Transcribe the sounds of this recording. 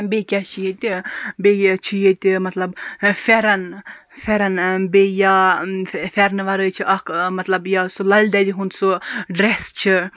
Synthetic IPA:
bekʲat͡ʃʰijet̪ʲibejt͡ʃʰijet̪ʲimɐt̪lɐbfeɾɐnfeɾɐnbeja | fʲeɾnʋɐɾət͡ʃʰiʔɐkmɐt̪lɐbjasulɐlʲd̪ad̪iɦunt̪suɖɾest͡ʃʰi

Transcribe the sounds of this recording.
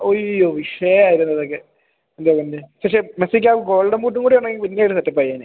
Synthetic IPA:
ojojoːʋiʂɐjɐaːjiɾunːɐðokːe | end̪ekɐndepɐkʂemesik̬ʲːaɡo̞ːɭɖɐmkuːʈːuŋɡuːɽijoɳːeŋːilpinːeɽɨsɐt̪ːɐpːɐijaːn

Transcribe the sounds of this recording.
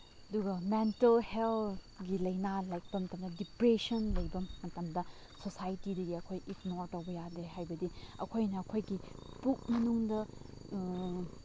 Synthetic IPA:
ɐduɡɐmentɐlhel | ɡilɐjnalajk̚pɐmɐtɐmdɐdipɾesɐnlɐjbɐmːɐtɐmdɐ | sosajtidɐɡiɐkʰojʔiknoɾtɐwbɐjadeɦajbɐdiɐ̰kʰojnɐːkʰojɡipuk̚mɐnuŋdɐ

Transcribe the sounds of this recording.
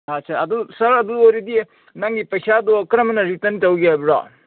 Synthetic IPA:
at͡ʃʰaɐdusɐɾɐduoɾidi | naŋɡipɐjsadɔkɾɐmɐnɐɾitɐntawɡiabɾa̰

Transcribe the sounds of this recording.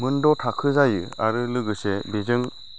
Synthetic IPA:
mɯndɔtʰakʰɯzajɯaɾɯlɯɡɯsebezɯŋ

